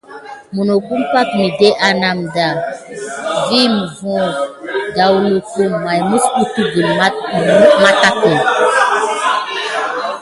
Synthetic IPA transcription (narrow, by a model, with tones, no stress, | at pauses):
mu˨no˨ku˦mpa˦tmi˨de˦ʔa˨na˨mda˨ | vi˦mə˨vɔ̃˦da˨wlu˨ku˦mːa˨jmu˦sku˦ti˦ɡi˨lma˦˨˦ma˦ta˦kə˨